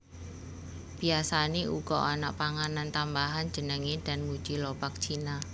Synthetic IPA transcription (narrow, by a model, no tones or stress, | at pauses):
b̥iasaneʔṵɡ̥ɔʔana̰ʔpaŋanant̪ambaɦan̥d͡ʒənəŋed̥a̤nmud̥d͡ʒ̥ilopak̚t͡ʃʰina